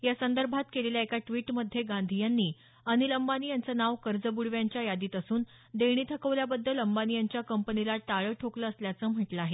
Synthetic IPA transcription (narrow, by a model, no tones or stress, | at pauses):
jasənd̪əɾbʱat̪keleljaekaʈʋiːʈməd̪ʱːjeɡãnd̪ʱijanːiː | əñiləmbanijant͡sənaʋkəɾd͡zəbuɽʋjaɲt͡ɕjajad̪iːt̪əsuːn | d̪eɽ̃it̪ʰəkəʋljabəd̪ːələmbanijaɲt͡ɕjakəmpənilat̪aɭəːʈʰokləːsljat͡səːm̤əʈləaːɦe